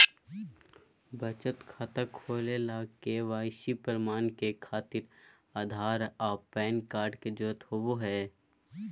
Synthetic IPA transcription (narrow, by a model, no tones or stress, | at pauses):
bət͡ʃət̪kʰaːt̪akʰoːlelaːkeʋaːɪʃipəɾɪmaːnkekʰaːt̪ɪɾ | aːd̪ʱaːɾɔːpɛːnkaːɾɖked͡ʒoːt̪ɦowoɦɛː